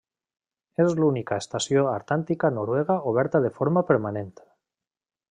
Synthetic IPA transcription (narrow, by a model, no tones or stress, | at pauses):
ezlunikaest̪asjoaɾt̪ant̪ikanoɾweɣ̞aoβ̞ɛɾt̪aðefoɾmapeɾmanẽnt̪